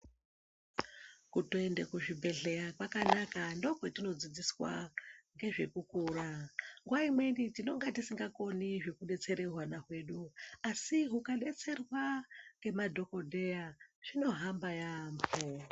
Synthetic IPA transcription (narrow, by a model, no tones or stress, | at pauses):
kutoende̞kuʐibʱe̞ɮe̞jakwakanakando̞kwetino̞d͡zid͡ziswa̰ŋɡe̞ʐe̞kukuːraŋɡwaimwe̞nitino̞ŋɡatisiŋɡako̞niʐe̞kuɗe̞t͡se̞ɾe̞rwanakwe̞ɗuasiɦukaɗe̞t͡se̞rwaŋɡe̞madʱo̞ko̞dʱe̞jaʐ̥ino̞ɦambajambo